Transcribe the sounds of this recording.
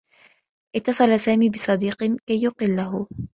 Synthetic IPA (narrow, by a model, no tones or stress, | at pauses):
ʔɪt̪ːɑsˤɑlasaːmiːbɨsˤɑd̪iːqkajːʊqɪlːaɦʊ